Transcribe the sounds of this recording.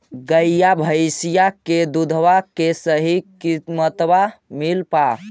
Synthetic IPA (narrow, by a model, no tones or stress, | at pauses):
ɡəjjabʱəjsijaked̪ud̪ʱʋakesəɦikimət̪bamilpa